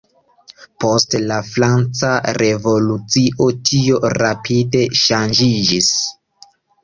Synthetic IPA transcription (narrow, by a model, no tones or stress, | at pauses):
po̞stlafɾant͡saɾe̞vo̞lut͡siʔo̞tio̞ɾapʰide̞ʃand͡ʒid͡ʒis